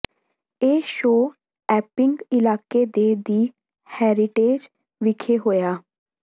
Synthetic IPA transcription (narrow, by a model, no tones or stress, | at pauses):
eːʃoː | ɛːpɪŋɡɪlaːkeːd̪eːd̪iː | hɛːɾɪʈeːd͡ʒ | ʋɪkʰeːɦoːjaː